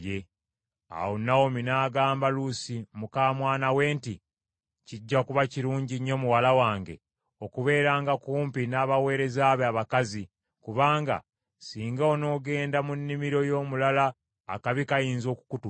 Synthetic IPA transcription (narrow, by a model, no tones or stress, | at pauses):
je | a̰wonawominaːɡaːmbalusimukaːmwaːnawe̞ːnti | ciɟːakuβaciɾuːɲɟiɲːo̞muwalawaːŋɡḛ | o̞kuβe̞ːɾaːŋɡakuːmpinaːβawe̞ːɾe̞zaːβeaβakazi | kuβaːŋɡa̰ | siːŋɡaono̞ːɡe̞ːndamunːimiɾo̞jo̞ːmulala̰ː | kaβikajiːnzo̞ːku̥kutu